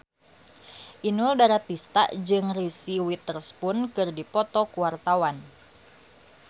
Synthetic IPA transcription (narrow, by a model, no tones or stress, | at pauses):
ʔinʊldaɾat̪ist̪a̰ʔd͡ʒɨŋrisiwit̪ərspʊnkɨrdipɔt̪ɔkuwart̪awan